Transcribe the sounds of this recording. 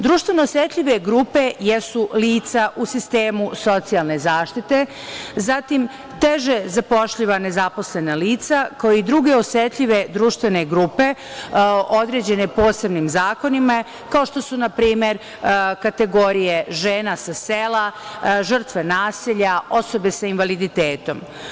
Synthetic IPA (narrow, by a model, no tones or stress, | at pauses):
d̪ɾuːʃt̪venoːsjet̪ʎiʋe̞ɡɾuːpe̞jesuliːt̪saʔusist̪e̞ːmuso̞t̪sialˠne̞zaːʃt̪it̪e̞ | zat̪im | t̪eʒezapo̞ʃʎiʋane̞zapo̞sle̞naliːt̪sakaoid̪ɾuɡe̞osjet̪ʎʲiʋe̞d̪ɾuːʃt̪ʋe̞ne̞ɡɾuːpe̞ | o̞d̪ɾe̞ːd͡ʑe̞ne̞poːse̞bnimzaːko̞nima | kaoʃt̪o̞sunapɾiːme̞ɾ | kat̪e̞ɡo̞ɾije̞ʒeːnasaselaʒr̩t̪ʋe̞naːsiʎao̞so̞be̞sainʋalid̪it̪eːt̪o̞m